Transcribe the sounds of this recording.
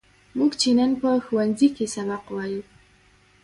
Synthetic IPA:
muɡt͡ʃenanpəxwanzikesabaqwaju

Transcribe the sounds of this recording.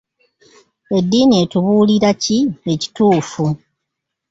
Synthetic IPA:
e̞dːiːnie̞ːtuβuːliɾacie̞ci̥tuːfu

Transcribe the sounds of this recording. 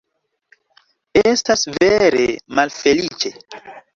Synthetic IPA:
estasveɾe̞̰malfe̞lit͡ʃe̞

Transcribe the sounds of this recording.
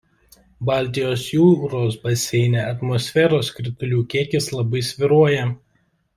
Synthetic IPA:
bɑˑlʲt̪ʲɪjoːsjuːɾoːsbɐsʲɛɪnʲeɐt̪mɔsʲfʲɛɾoːskɾʲɪt̪ʊlʲuːkʲiɛkʲɪslˠɐbɐɪsʲʋʲɪɾuɔjɛ

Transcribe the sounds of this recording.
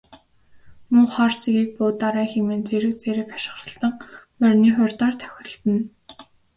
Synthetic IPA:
muːχɔrsiɣiːk̚pʊːt̪aɾæːxemeːnt͡seɾɘ̆wt͡seɾɘ̆k̚ḁʃɪ̥̆χrə̆ɬt̪ə̆ŋpœrʲniːχʊrʲt̪ɔːrt̪ʰœ̥xʲɪ̆ɬt̪ɘ̆n

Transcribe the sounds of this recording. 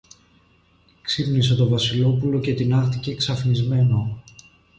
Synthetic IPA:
ksipnise̞t̪o̞vɐsilo̞pulo̞ce̞t̪inɐɾt̪iceksɐfnizme̞no

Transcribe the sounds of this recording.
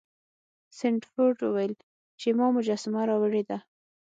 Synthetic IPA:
sɪɳʈfoɾʈwəwajəl | t͡ʃemɑmʊd͡ʒɑsɪmaɾɑwəɽed̪a

